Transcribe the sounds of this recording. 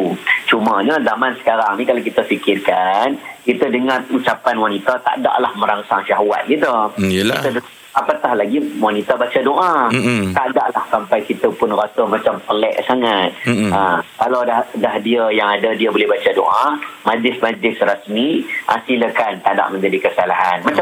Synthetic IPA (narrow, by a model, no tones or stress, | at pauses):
ut͡ʃumaɲəzamansə̥kaɾaŋnikalawkit̪əfikɪrkankit̪ədəŋarut͡ʃapanwanit̪at̪a̰ʔda̰ʔlahmə̃ɾaŋsaŋʃaɦwa̰t̪̚ɡit̪ʊit̪ə | apak̪ahlaɡiwanit̪abat͡ʃadoʔat̪aʔdaʔlahsampajkit̪əpʊnrast̪əmat͡ʃampəlɛ̰ʔsaŋat̪̚əkalawdadahdiajaŋadadiəbolɛhbat͡ʃado̰ʔamad͡ʒlɪsmad͡ʒlɪsrəsmiʔasiləkant̪aʔda̰ʔməɲd͡ʒadikəsalaɦanmat͡ʃa